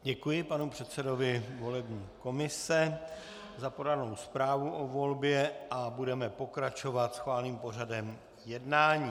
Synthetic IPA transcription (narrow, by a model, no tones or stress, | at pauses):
ɟɛkujɪpanupr̝̥ɛt̪sɛdo̞vɪvo̞lɛbɲiːko̞mɪsɛ | zapodaɾno̞wspɾaːvuʔovo̞lbjɛʔabudɛmɛpo̞kɾat͡ʃo̞vat̪sxvaːlniːmpo̞r̝adɛm | jɛdnaːɲiː